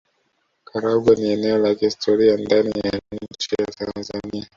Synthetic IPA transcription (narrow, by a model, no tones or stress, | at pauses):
kʰaɾaɡwaniɛnɛɔlakiistʰɔɾiandanijaɲ̩t͡ʃijatanzania